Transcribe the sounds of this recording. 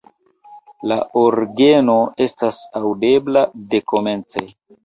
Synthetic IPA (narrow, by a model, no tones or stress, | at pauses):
laʔoɾɡe̞no̞e̞stasawde̞blade̞ko̞me̞nt͡sḛ